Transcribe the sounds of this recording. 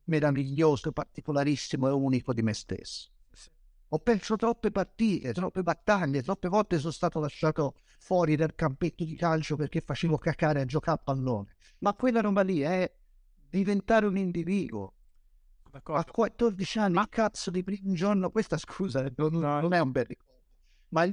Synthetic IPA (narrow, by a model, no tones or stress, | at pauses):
meɾaviʎːoːzoepart̪ikolaɾisːimoɛuːnikod̪imest̪ḛsːo̥ | ɔpːɛnsot̪ɾɔpːepat̪ːiːt̪et̪ɾɔpːebat̪ːaʎːet̪ɾɔpːevɔlt̪ːes̬ɔst̪aːt̪olaʃːaːt̪o | fwɔːɾid̪alkampet̪ːod̪ikalt͡ʃoperk̟ːefːat͡ʃiːvokakːaːɾead͡ʒokalpalːoːne | makːwelːaɾobaliaɛ | d̪ivent̪aːɾeunind̪iviːd̪uo̰ | akːwat̪ːord̪it͡ʃanːiakʰːat̪sod̪ipɾiːmund͡ʒornokwest̪askʰuːzanonːonɛumbɛrikɔ | o | ma